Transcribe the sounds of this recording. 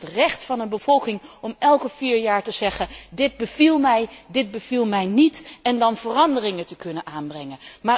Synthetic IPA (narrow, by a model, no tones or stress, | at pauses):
trɛχtfɑnənbəv̥ɔlˠkɪŋɔmɛlˠkəviːɹjaːɹtəz̥ɛχədɪd̚bəvilˠmɛjdɪd̚bəv̥ilˠmɛjnitɛndɑnv̥ərɑndərɪŋətəkɵnənʔaːnbrɛŋənmaː